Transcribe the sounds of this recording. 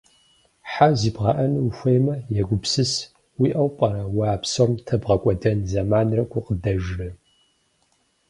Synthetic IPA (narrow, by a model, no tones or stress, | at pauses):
ħaziːbʁɑːʔɐnwuxʷejmɐjɛɡʷʊpsɨs | wiʔɐwpʼɐɾɐwɑːpsomtʰɐbʁɐkʷʼɔdɐnzɐmaːnrɐkʷʰʼʊqədɐʒrɨ